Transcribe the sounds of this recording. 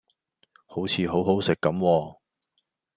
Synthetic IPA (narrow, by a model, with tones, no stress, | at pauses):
ho˨˥wt͡sʰiː˨˧ɦo˨˥wɦo˨˥wsɪ˨kːɐ˨˥mwɔː˧